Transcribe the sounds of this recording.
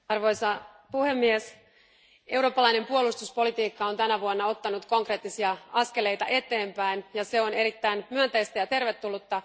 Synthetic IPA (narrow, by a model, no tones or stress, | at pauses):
ɑrʋo̞jsɑ | puhe̞mːies | e̞wɾoːpːɑlɑjne̞mpuolust̪uspo̞lit̪iːkːɑo̞nt̪ænæʋuonːɑo̞t̪ːɑnut̪ko̞ŋkre̞ːt̪ːisiɑɑske̞le̞jt̪ɑʔe̞t̪ˑe̞ːmpæinjɑse̞o̞ne̞ɾit̪ːæinmyønt̪ejst̪æjɑt̪e̞rʋe̞t̪ːulːut̪ːɑ